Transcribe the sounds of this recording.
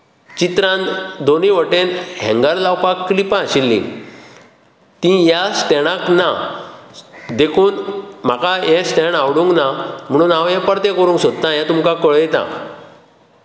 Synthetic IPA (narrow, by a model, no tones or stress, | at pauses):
t͡ɕit̪ɾãnd̪oniʋəʈenɦɛ̰̃ŋɡəɾlawpakːlipãːɕilːḭ̃ | t̪ĩjasʈ̪ɛɽ̃ãkna | d̪ekʰuːnm̤akajɛ̃sʈ̪ɛɳawɽũŋknam̤əɽ̃uːnaʋjɛ̃pəɽt̪ɛ̃kəɾũŋksod̪̚t̪ãjɛ̃t̪umkãkəɭjɛt̪a̰